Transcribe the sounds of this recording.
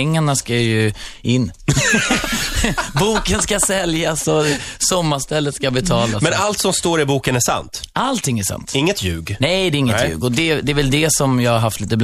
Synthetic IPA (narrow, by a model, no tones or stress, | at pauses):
ɛŋːaɳaskajɵɪnː | buːkənskasɛljasɔsɔmːaʂt̪ɛlːət̪skabɛt̪ʰɑːlasmɛnalt̪sɔmst̪oːɾɪbuːkənæʂa̰nt̪ʔalt̪ʰɪŋːæʂa̰nt̪ɪŋːət̪jʉ̰ːɡnɛjd̪ɛɪŋːət̪jʉ̰ːɡɔd̪ɛd̪ɛːvɛld̪ɛsɔmjɑːɡaɾɦaft̪liːt̪əbl